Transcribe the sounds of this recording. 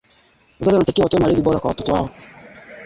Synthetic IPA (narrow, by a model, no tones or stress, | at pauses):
wazaziwanatakiawatɔɔmaɾiziɓɔɾakwawatɔtɔwa̰ɔ